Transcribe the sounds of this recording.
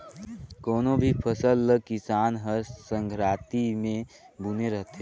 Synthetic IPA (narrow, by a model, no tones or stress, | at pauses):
koːnobʱipʰəsəlːəkɪsaːnɦəsə̃ŋɡʰɾaːt̪imẽ | buneɾəɦt̪ɦeː